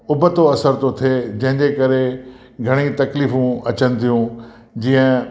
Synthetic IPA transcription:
ʊbət̪oɐsəɾt̪ot̪ʰed͡ʑɐ̃ɦɪ̃ɲd͡ʑekɐɾe | ɡʱɐɽ̃ĩt̪ɐkliːfũɐt͡ɕənɪ̆t̪ʰijũ | d͡ʑiːə̃

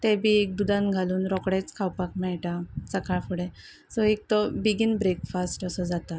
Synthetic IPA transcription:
t̪ebʱiek̚d̪ud̪ãnɡʱaluːnɾɔkɽet͡skʰawpakmɛɭʈasəkaɭfuɽe | sɔek̚t̪ɔbiɡinbɾekfasʈəsəd͡zat̪a

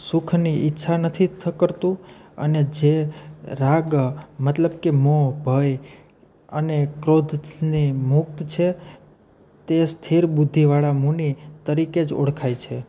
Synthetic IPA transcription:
sukʰniʔɪtːʃʰanət̪ʰit̪ʰkəɾt̪ũə̰ned͡ʒeɾaɡmət̪ləbkemobʱəj | ənekɾod̪ʱnimʊk̚t̪t͡ʃʰe | t̪est̪ʰiɾbud̪ʱːiʋaɭamũnit̪əɾiked͡ʒo̰ɽkʰajt͡ʃʰe

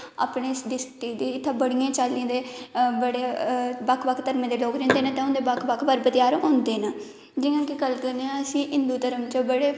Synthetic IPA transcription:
a̰ːpɳeːsd̪ɪst̪iːd̪iːɪt̪ʰːaːbəɽijãːt͡ʃalːĩːd̪eːbəɽeːbəkʰbəkʰt̪əɾmẽːd̪eːloːkɾẽːnd̪eːnãːt̪ɛ̃õnd̪eːbəkʰbəkʰbəɾbət̪ɪjaːɾõːnd̪eːnaː | d͡ʒɪjãːkɪɡəlkəɾneãəsĩːʔɪnd̪uːt̪əɾəmt͡ʃəbəɽeː

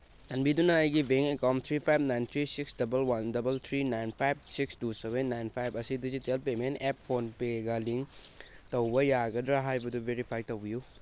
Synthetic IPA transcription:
sɐnbidunɐːjɡibʱeŋekawmt̪ʰɾipʰajb̚najnt̪ʰɾisiksdɐbɐlwandɐbɐlt̪ʰɾinajnpʰajb̚sikstuseβenːajnpʰajbɐsidizitelpementepːʰonpeɡaliŋ | tɐwbɐjaɡɐdɾaɦajbɐdubʱeɾipʰajtɐwbiju

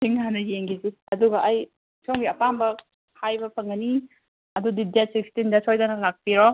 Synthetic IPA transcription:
siŋːanɐjeŋɡiziɐduɡɐʔɐj | sʰoŋɡiɐpambɐ | hʰajbɐpʰɐŋɡɐni | ɐdudidjasikstindɐsʰojdanɐlak̚piɾɔ

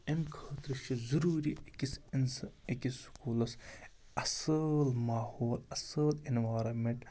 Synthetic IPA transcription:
enkʰəːt̪ɾɨʃizuɾuːɾiɐkisnsekiskuːlɐs | ɐsɐlmaːhoːlɐsɐlinʋaːɾɐmeɳʈ

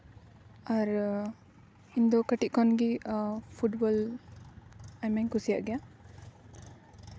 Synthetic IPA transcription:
aɾ | ind̪ɔkəʈiʔ̚kʰɔnɡipʰuʈbɔl | ajmaŋkusijaʔɡɛja

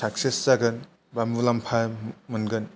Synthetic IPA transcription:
sʰaksesːaɡɯn | bambulampʰamɯnɡɯn

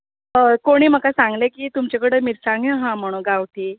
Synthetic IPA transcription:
əkoɽ̃iːm̤əkasaŋɡlekiːt̪umt͡ɕekəɽəmiːɾsaŋɡjə̃ɦãm̤əɽ̃õɡawt̪i

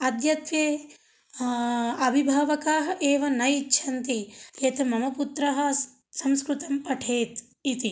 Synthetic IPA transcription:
ɐd̪ʱjɐt̪ʋjeː | ɐbʱibʱaːʋɐkaːɦɐ̆ʔeːʋɐnɐjitːʃʰɐnt̪ijet̪mɐmɐput̪ɾɐɦɐ̆ | sɐmskɾut̪ɐmpɐʈʰeːt̪ | it̪i

